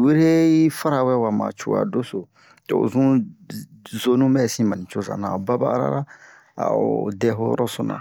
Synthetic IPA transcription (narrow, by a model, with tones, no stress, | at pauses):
we˦ɾe˦i˦fa˦ɾa˨wɛ˦wa˨ma̰˨t͡ʃo˨a̰˨do˦so˨ | to̰˨zũ˦ | zo˨˦nũ˦mɛ˦˨sĩ˦ma˨nĩ˨t͡ʃo˦zã̰˨na˨ba˦baː˦ɾa̰˦ɾa˦ | a̰˨o˨dɛ˦ɦo˦jɔ̰˦ɾɔ˦sõ˨nã̰˨